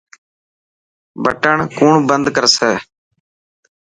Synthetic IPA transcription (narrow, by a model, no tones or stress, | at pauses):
bə̰ʈəɳkuːɳbənd̪kəɾsɛː